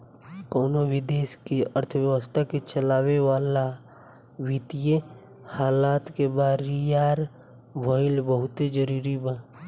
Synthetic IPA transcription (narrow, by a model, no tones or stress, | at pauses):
koːnowɪd̪eːʃkiəɾt̪ʰəʋjəwəst̪ʰaket͡ʃəlaːwewaːla | wit̪ije | haːlaːt̪kebaːɾijaːɾ | bʱoɪlbəɦʊt̪ed͡ʒəɾuːɾibã